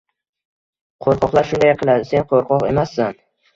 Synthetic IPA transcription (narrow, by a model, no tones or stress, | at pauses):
qʰoɾqʰɒqlˠaɾʃʊnd̪ajqʰɨlˠad̪ɪse̞nqʰoɾqʰɒqe̞masːan